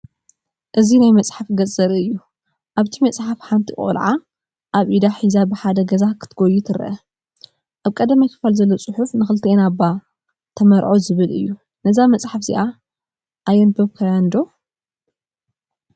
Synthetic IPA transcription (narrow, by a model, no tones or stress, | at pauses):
ʔɨzinajmɐt͡sʼħafɡɐzʼɐɾɨjːu | ʔaβt̪ʰimɐt͡sʼħafħant̪ʰiχʼo̰lʕa | ʔaβʔid̪aħizabɨħad̪ɐɡɐzakʰɨ̥t̪ʰɨɡojit̪ʰɨɾʔɐ | ʔaβkʼɐd̪amajkʰɨ̥falzɐlːot͡sʼɨħufnɨxɨlɨt̪ʰenabːa | t̪ʰɐmɐɾʕozɨβɨlɨ̰jːu | nɐzamɐt͡sʼħafzḭʔa | ʔajɛnbɐβkʰajand̪o̞